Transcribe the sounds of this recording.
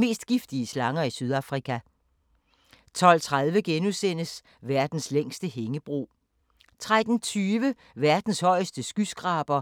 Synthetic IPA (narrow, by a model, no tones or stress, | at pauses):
me̝̰ːsd̥ɡ̥ifd̥iəslɑ̈ŋɐisyð̞ˠɑ̈fʁikʰæ | t͡sʰɒ̽l̰t͡sʰʁað̞ˠʋəɡ̥enusen̰əs | ʋæɐd̥n̩sleŋ̰sd̥əɦeŋəb̥ʁo̝̰ː | t͡sʰʁad̥n̩t͡sʰyːʋə | ʋæɐd̥n̩shɒ̽ɪ̰sd̥əsɡ̥ysɡ̥ʁɑ̈ːb̥ɐ